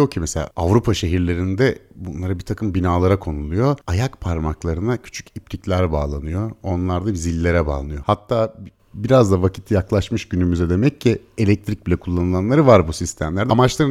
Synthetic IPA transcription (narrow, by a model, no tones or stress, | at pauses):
jo̞cʰimeselʲa̰ːʔavɾupʰaʃe̞ɦiɾlʲe̞ɾind̪ɛbunlˠaɾabit̪ʰakʰɯmbinaːlˠaɾakʰo̞nulˠujo̞ajakpʰaɾmaklˠaɾɯnacʰy̥t͡ʃʰy̥cip̚t̪ʰiclʲæɾbaːlˠanɯjo̞onlˠaɾd̪aizilʲːe̞ɾɛba̰ːnˠɯjo̞hat̪ːaː | biɾazd̪avacʰi̥t̪ʰijaklˠaʃmɯʃɟynymyzɛd̪e̞mɛccːi | elʲɛc̚t̪ʰɾic̚bilʲɛkʰulˠːanɯlˠanlˠaɾɯvaɾbusist̪ʰæmlʲæɾd̪ɛamat͡ʃlˠaɾɯ